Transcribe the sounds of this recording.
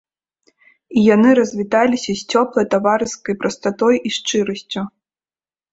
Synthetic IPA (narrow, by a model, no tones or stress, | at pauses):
ijanɨɾɐzʲvʲit̪alʲisʲɐsʲt͡sʲɔplˠɐjt̪avaɾɨskɐjpɾɐst̪at̪ɔjʔiʂt͡ʂɨɾɐsʲt͡sʲu